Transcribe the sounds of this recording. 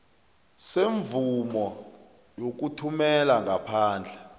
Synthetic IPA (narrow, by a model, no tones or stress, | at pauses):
seɱvumɔ | jok̬utʰumɛlaŋʱapʰaːnd͡ɮʱɛ